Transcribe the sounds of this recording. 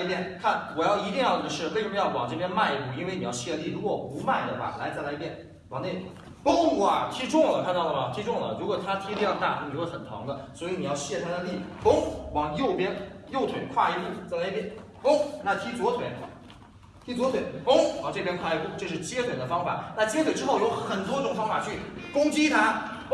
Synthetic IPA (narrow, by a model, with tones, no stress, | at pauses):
a˥˧˥i˥˧t̪jɛ˥˩nkʰa˥˩nwɔ˨˩jɑ˥˩ʊi˧˥t̪i˥˧ŋjɑ˥˩ʊ˨˩ə˩ʂɻ̩˥˧we˥˩ʂə˧˥mə˧jɑ˥˩ʊwɑ̰˨˩ŋʈ͡ʂɤ˥˩pjɛ˥nma˥˧ɪpu˥˩i˧˥nwe˥˩ni˨˩jɑ˥˧ʊɕjɛ˥˧li˥˩ɻu˧˥kwɔ˨˩u˧˥ma˥˩ɪd̪ə˩xwa̰˥˩la˧˥ɪt͡sa˥˩ɪla˧˥ɪi˧˩jɛ˥˩n | wɑ˨˩ŋne˥˩ɪ | pʊ˥ŋu˥˩ɐ̰˩t̪ʰi˥ʈ͡ʂʊ˥˩ŋlə˨˩kʰa˥˧nt̪ɑ˥˩ʊlə˩wa˥˩t̪ʰi˥ʈ͡ʂʊ˥˩ŋlə̰˨˩ɻu˧˥kwɔ˨˩t̪ʰa˥t̪ʰi˥t̪i˥˧jɑ˥˧t̪a̰˥˩t̪ʰni˨˩jo˥˩xə˨˩nt̪ʰɑ̰˧˥ŋd̪ə˧swɔ˧˥i˨˧˥n˨˩jɑ˥˧ʊɕjɛ˥˩t̪ʰa˥nə˧li˥˩pʊ˥ŋwɑ˨˩ŋjo˥˩ʊpjɛ˥njo˥˩ʊt̪ʰwe˨˩ɪkʰwa̰˥˧i˧˥pu˥˩t͡sa˥˩ɪla˧˥˧i˥˩pjɛ˥˩n | pʊ˥ŋna˥˩t̪ʰi˥t͡swɔ˧˥t̪ʰwe˨˩˦ɪ | t̪ʰi˥t͡swɔ˧˥t̪ʰwe˨˩ɪkʊ˥ŋ˧˩ʈ͡ʂɤ˥˩pjɛ˥nkʰwa˥˧˩i˥pu˥˩ʈ͡ʂɤ˥˧ʂ̬ɻ̩˥˩t͡ɕjɛ˥t̪ʰwe˨˩ɪd̪ə˦fɑ˥ŋfa̰˨˩˦na˥˩t͡ɕjɛ˥t̪ʰwe˨˩ɪʈ͡ʂɻ̩˥xo˥˩ʊjo˧˥ʊxə˨˩nt̪wɔ˥ʈ͡ʂʊ˨˩ŋfɑ˥ŋfa˨˩t͡ɕʰy˥˩ | kʊ˥ŋt͡ɕi˥t̪ʰa˥